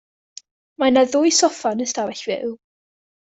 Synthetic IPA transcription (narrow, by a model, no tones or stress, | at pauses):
manaðʊjsɔfanəstavɛɬvɪ̰lˠ